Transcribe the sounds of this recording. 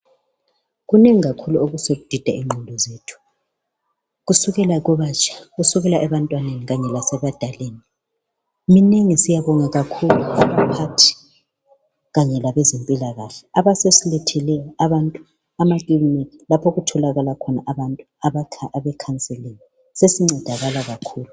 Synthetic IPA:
ɣuneŋiɣakʰuluoɣusoɣud̥ʱid̥ʱaiŋ͡ǃʱundʱɔzetʰu̥ | ɣusuɣɛlaɣɔβat͡ʃʰʼḁɣusuɣɛlaʔɛβantʼwaneniɣaɲɛlasɛβad̥ʱaleːni | mineŋisijaβɔŋaɣakʰuluaβapʰatʰi̥ | ɣaɲɛlaβɛzempʼilaɣaɬɛaβasesilɛtʰɛlɛjɔaβantʼu | amakʼilimikilapʰɔɣutʰɔlaɣalakʰɔnaʔaβantʼuaβakʰʔaβɛkʰant͡sʼɛleni | sesiŋ͡ǀɛd̥ʱaɣalaɣakʰuːlu

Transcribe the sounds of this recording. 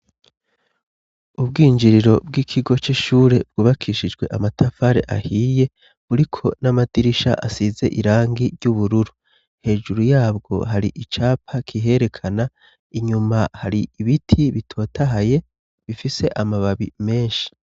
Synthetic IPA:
ubɡiːɲd͡ʒiɾiɾo̞b̚ɡiːkʰiɡo̞t͡ʃiʃuːɾe̞b̚ɡuːβakʰiːʃid͡ʒɡwe̞ʔamatʰafaːɾe̞̰ʔa̰hiːje̞ | βuɾikʰo̞namadiɾiʃa̰ʔasize̞̰ʔiɾaːŋɡiɾɟuβuɾuɾu | he̞ːʒuɾujaːbɡo̞̰ɦaɾiʔit͡ʃaːpʰakʰiɦe̞ɾe̞kʰana | iɲumahaɾiiβitʰiβitʰo̞ːtʰaɦaje̞ | βifise̞ʔamaβaβḭme̞ːʃi̥

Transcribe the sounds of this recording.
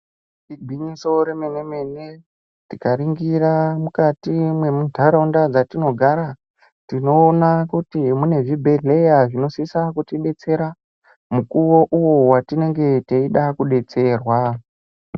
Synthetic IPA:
iɡʱwiɲiso̞ɾe̞me̞ne̞me̞ne̞ | tikaɾiŋɡiɾamukatimwe̞mudʱaɾaundad͡zatino̞ɡʱaɾa | tino̞ːnakutimune̞ʐibʱerejaʐino̞sisakutiɗe̞t͡se̞ɾa | mukuwo̞ʔuwo̞watine̞ŋɡe̞teiɗakuɗe̞t͡se̞rwa

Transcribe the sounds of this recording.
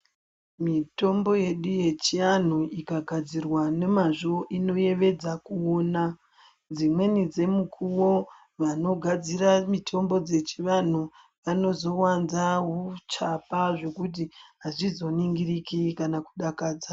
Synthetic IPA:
mito̞mbo̞je̞ɗuje̞t͡ʃijan̤uikaɡʱad͡zirwane̞maʐoʔino̞je̞ʋe̞d͡zakuoːna | d͡zimwe̞nid͡ze̞mukʰuwo̞ | ʋano̞ɡʱad͡ziramitʰo̞mbo̞d͡ze̞t͡ʃiʋan̤u | ʋano̞zo̞wanzaɦut͡ʃapaʐe̞kut̬iɦaʐizo̞niŋɡirikikanaku̥ɗakaːd͡za

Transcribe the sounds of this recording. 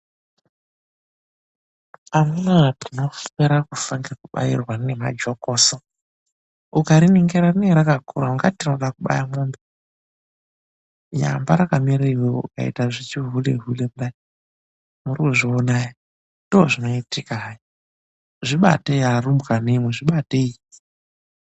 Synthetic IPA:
amunatino̞eɾakufaŋɡekuɓa̰jḭrwanema̰d͡ʒokoso | ukaɾiniŋɡeɾarineɾakakʰṵɾauŋɡatinoɗakuɓa̰jamumbe | ja̰mbaɾakamiɾaiweṵka̰ḭtaʐit͡ʃiɦuleɦulemba | muriuʐionaja | dooʐino̞itikaɦaj | ʐiɓa̰teiɦarumukanemweʐiɓateii

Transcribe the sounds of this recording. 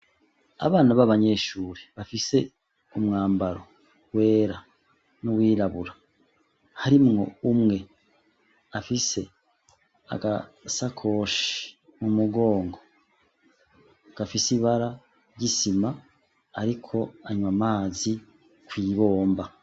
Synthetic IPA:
a̰βaːnaβaβaɲe̞ːʃuːɾiβafise̞ | umŋaːmbaɾo̞ | ɡwe̞ːɾa | nuwiːɾaβuɾa | haɾimŋo̞̰umŋe̞ | afise̞ | a̰ɡasakʰo̞ʃi̥i̥ | mumuɡo̞ːŋɡo̞ | ɡ̥afisiβaɾa | ɟisimaː | ɾikʰo̞aɲumamaːzi | kwiːβo̞ːmba

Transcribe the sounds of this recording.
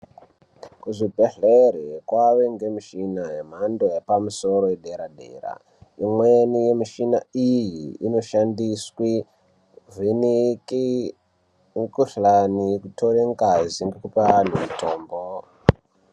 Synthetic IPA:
kuʐibʱeɮeɾekwaʋeŋɡe̞miʃinaɦem̤andojepamuso̞ɾojeɗeɾaɗḛra̰ | imwenijemiʃina̰ijiino̞ʃandiswi | vinik | kuɬanikutʰoɾeŋɡaziŋɡekupanemitʰoːmbo

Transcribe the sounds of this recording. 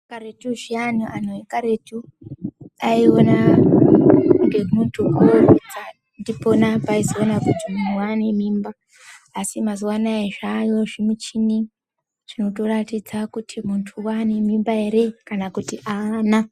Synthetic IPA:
kaɾetuʐianuʔanoekaɾetu | aiona | ŋɡemuntʰukud͡za | ndiponapaizoonakutimuntʰuwanemiːmbaː | simazuwanaeʐajo̞ʐimut͡ʃini | ʐino̞toratid͡zakutʰimuntʰuwanemimbaeɾe̞kanakutiʔana

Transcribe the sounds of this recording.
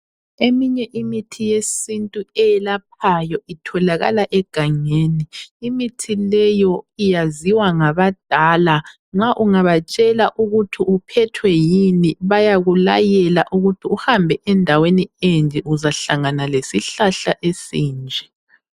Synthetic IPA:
emiɲɛʔimitʰijesintʼuɛjɛlap̚ʰajɔitʰɔlaɣa̰laʔɛɡ̥ʱaŋeːniːmitʰilɛjɔijaziwaŋaβad̥ʱaːla | ŋ͡ǁaʔuŋaβat͡ʃʼɛlaʔuɣutʰiupʰɛtʰwɛjiniβajaɣulajɛlaʔuɣutʰiuhambʱɛʔɛndʱaweniend͡ʒʱʼɛʔuzaɬaŋanalesiɬaɬaʔesiːnd͡ʒʱɛ

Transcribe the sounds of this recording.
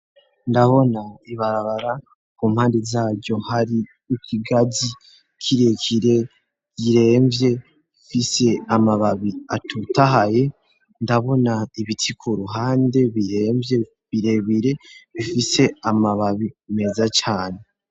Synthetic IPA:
ndaβo̞naiβaɾaβaɾa | kum̥haːndezaːvɟo̞haɾi | ukʰiɡazi | kʰiɾekʰiɾe̞ | jiɾe̞ːmvje̞ | ifise̞amaβaβiatʰutaɦaje̞ | ndaβo̞naiβitʰikʰuɾuɦaːnde̞βiɾemvje | βiɾe̞βiɾe̞βifise̞amaβaβime̞zat͡ʃaːne

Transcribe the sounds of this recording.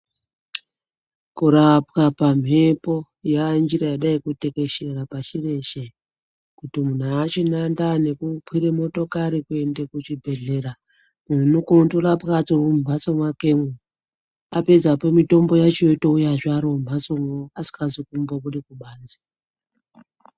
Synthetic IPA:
kuɾapkapam̤ʱe̞po̞ | jand͡ʒirajaɗaikute̞ke̞ʃe̞rapaʃire̞ʃe | kutimun̤uat͡ʃinandane̞kupʰwiɾemo̞to̞kaɾikue̞ndekut͡ʃibʱe̞ɮe̞ra | mun̤unukontorapkatoumbʱasomwakeŋu | ape̞d͡zapemito̞mbo̞jat͡ʃiotoujaʐaɾomb̤ʱasomoasi̥kazikumboβurikuɓaːnd͡zi̥

